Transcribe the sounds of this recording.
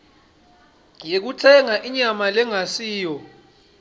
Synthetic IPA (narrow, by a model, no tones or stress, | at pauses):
jek̬utʰɛŋaʔiɲamalɛŋasiːjɔ